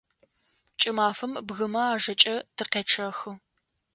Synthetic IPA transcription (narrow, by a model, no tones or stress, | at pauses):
t͡ʃʼɪmaːfɨmbɣɨmɐaːʒɐt͡ʃʼɐtʰɨqeːʈ͡ʂʰɐxɨ